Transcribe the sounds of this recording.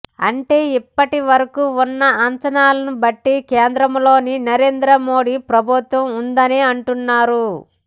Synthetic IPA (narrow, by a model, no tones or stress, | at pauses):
ɐ̰ɳʈe̞ːipːɐʈiʋɐɾɐkuunːɐɐɲt͡ʃɐnaːlɐnubɐʈːikeːnd̪ɾɐmlo̞ːninɐɾe̞ːnd̪ɾɐmo̞ːɽipɾɐbʱut̪ʋɐmund̪ɐniɐɳʈunːaːɾu